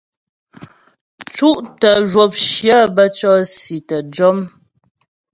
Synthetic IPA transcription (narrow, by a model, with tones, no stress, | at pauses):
t͡ʃu˦ʔtə˨ʒwo˨p̚ʃjə˦bə˦t͡ʃɔ˦si˨tə˨d͡ʒɔ˦m